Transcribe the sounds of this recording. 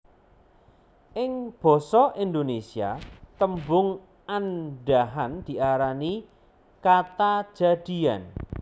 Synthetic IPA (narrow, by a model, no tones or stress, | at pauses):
ʔɪŋb̥ɔ̤sɔʔind̪onesia̰t̪əmbʊŋ | anɖaɦand̪̥i̤ʔaɾani | kat̪ḁd͡ʒ̥a̤d̪̥i̤an